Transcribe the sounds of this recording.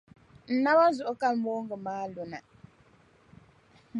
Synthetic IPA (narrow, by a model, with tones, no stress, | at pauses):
n̩˨na˦ba˦zu˨ʔo˦ka˦˨lmo˦ŋɡə˨maː˦lo˨na˨